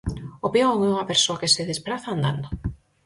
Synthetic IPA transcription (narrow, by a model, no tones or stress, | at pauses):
opeoŋeuŋɐpeɾsoakeseðespɾaθaːnd̪a̰nd̪o